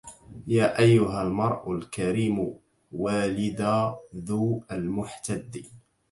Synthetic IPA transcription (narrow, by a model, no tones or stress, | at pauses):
jaːʔajːʊɦalmɑɾˤʔʊlkaɾiːmʊ | waːlɪd̪aːðuːalmʊħt̪ad̪ːi